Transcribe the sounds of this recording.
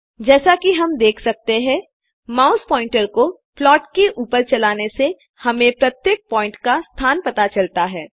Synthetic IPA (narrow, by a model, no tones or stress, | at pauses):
d͡ʒɛːsakiɦɐmd̪eːkʰsɐk̚t̪eɦɛ̃ | maːʊspɔːɪ̃ɳʈəɾko | plɔːʈkeʔuːpəɾt͡ʃɐlaːnese | hɐmẽpɾɐt̪jeːk̚pɔ̃ːɪ̃ɳʈkast̪ʰaːnpɐt̪at͡ʃɐlt̪aɦɛː